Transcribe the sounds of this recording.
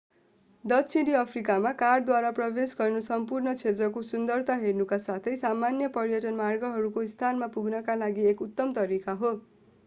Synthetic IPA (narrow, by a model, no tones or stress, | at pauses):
d̪ʌtsʰiɽiʌpʰrikamakarɖd̪waɾaprʌbesɡʌrnusʌmpurnʌt͡sʰet̪rʌkosund̪ʌrt̪aɦernukasat̪ʰʌjsamanjʌpʌɾjʌʈʌnmarɡʌɦʌɾukoist̪ʰanmapuɡnʌkalaɡiekut̪ːʌmt̪ʌɾikaɦo